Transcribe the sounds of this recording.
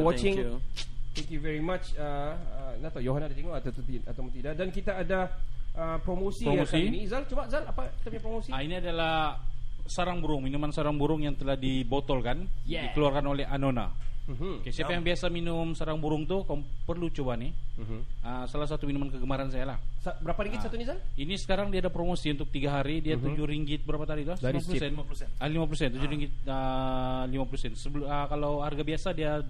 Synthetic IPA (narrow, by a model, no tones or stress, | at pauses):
wɔt͡ʃɪ̃ŋut̪ɛ̃ŋkjuvɛɹimat͡ʃəənat̪ɔjoɦanadat̪eŋɔat̪at̪uat̪apunt̪idaʔdankit̪aːdaəpɾomosipɾomosiinizalt͡ʃubazalapaət̪apɲapɾomosiainiadalah | saɾaŋbuɾʊŋminumansaɾaŋbuɾʊŋjaŋt̪əlahdibot̪ɔlkanjɛdikəluarkanolɛɦanona̰okesiapajaŋbiasaminʊmsaɾaŋbuɾʊŋt̪ukapərlut͡ʃobanɪ | əsalahs̬at̪uminumankəɡəmaɾansajalahsbəɾapaɾiŋɡɪtsatt̪unisainisə̥kaɾaŋdiadapɾomosiunt̪ʊk̚t̪iɡaɦaɾidiat̪ud͡ʒuɾiŋɡɪt̪̚bəɾapat̪adit̪uaplusɛnuəlimapəlusɛnt̪ud͡ʒuɾiŋɡɪt̪̚əlimapəlusɛnsəbələkalawharɡabiasadia